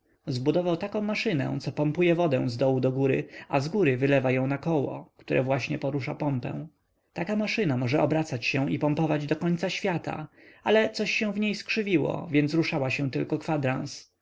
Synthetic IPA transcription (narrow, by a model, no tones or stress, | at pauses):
zbud̪ɔvawt̪akɔ̃w̃maʂɘnɛ̰̃t̪sɔpɔmpujɛvɔd̪ɛ̃w̃zd̪ɔwud̪ɔɡuɾɘ̰azɡuɾɘvɘlɛvajɔ̃w̃nakɔwɔ̰kt̪uɾʔɛ̰vwaɕɲɛpɔɾuʂapɔmpɛ̰̃w̃ | t̪akamaʂɘnamɔʐɛɔbɾat̪sat͡ɕɕɛ̃ipɔmpɔvad͡ʑd̪ɔkɔɲt̪saɕfʲjat̪a̰alɛt̪sɔɕːɛ̃w̃vɲejskʂɘvʲiwɔ̰vʲjɛnsɾuʂawaɕɛ̃t̪ɘlkɔkfad̪ɾãñs